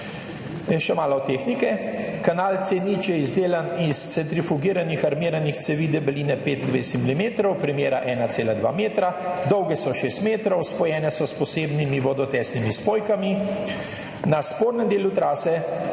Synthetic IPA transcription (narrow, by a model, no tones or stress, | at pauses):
jɛʃɛmaːlɔt̪eːxnikɛkanaːlt̪senit͡ʃɛizd̪eːlanist̪sɛnt̪ɾifuɡiːɾanixaɾmiːɾanixt̪sɛʋiːd̪ɛbɛliːnɛpeːt̪d̪ʋest̪imilimeːt̪ɾɔwpɾimjeːɾaʔɛːnaseːlad̪ʋa̰ːmeːt̪ɾad̪ɔwɡɛsɔʃeːst̪meːt̪ɾɔwspɔjɛːnɛsɔspɔseːbnimiʋɔd̪ɔt̪ɛːsnimispoːjkami | naspoːɾnɛmd̪eːlut̪ɾaːsɛ